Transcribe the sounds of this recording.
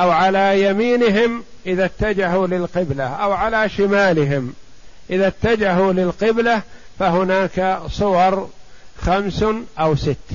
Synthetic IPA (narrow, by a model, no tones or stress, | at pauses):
ʔawʕalajamiːnɪɦɪmʔɪðat̪ːad͡ʒaɦulɪlqɪblaʔawʕalaʃɪmaːlɪɦɪm | ʔɪðat̪ːad͡ʒaɦulɪlqɪblafaɦʊnaːksˤʊwɑɾˤxamsʔawsɪt̪ː